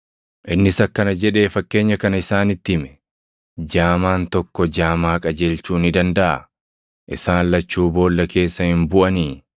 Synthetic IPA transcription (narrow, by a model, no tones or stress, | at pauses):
ʔɪnːɪsɐkːɐnɐd͡ʒɛᶑe̞ːfɐkːe̞ːɲːɐkɐnɐɪsaːnɪt̪ːɪmɛ̥ | d͡ʒaːmaːnt̪ɔkːɔd͡ʒaːmaːkʼɐd͡ʒe̞ːlt͡ʃuːnɪd̪ɐnd̪ɐʔɐ̰ | ʔɪsaːnlɐt͡ʃːuːbo̞ːlːɐkʰe̞ːsːɐhɪmbʊʔɐniː